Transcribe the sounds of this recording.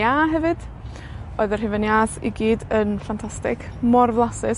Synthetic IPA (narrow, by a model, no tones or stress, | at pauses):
aɦɛvɨd̥ | oɨðər̥hɪvənjaːθḭɡiːdənfantʰastɪkʰmɔrvlˠasɪs